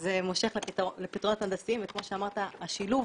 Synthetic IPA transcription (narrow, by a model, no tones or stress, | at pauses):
zemo̞ʃe̞χleitlepit̪ʁonot̪and̪asimvekmo̞ʃeamaʁt̪aːʃiluv